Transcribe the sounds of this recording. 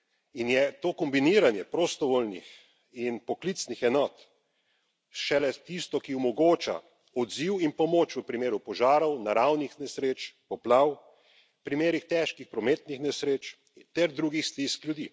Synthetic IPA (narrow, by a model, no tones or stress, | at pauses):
injɛt̪oːkɔmbiniːɾanjɛpɾost̪ɔʋoːlnḭx | inpɔklit̪snixɛnɔːt̪ | ʃɛlɛt̪ist̪ɔkiɔmɔɡoːt͡ʃa̰ | ɔd̪ziwinpɔmoːt͡ʃʋəpɾimeːɾupɔʒaːɾɔwnaɾawnixnɛsɾeːt͡ʃpɔplaw | pɾimeːɾixt̪ɛːʃkixpɾɔmeːt̪nixnɛsɾeːt͡ʃ | t̪ɛɾd̪ɾuːɡixst̪iskljud̪i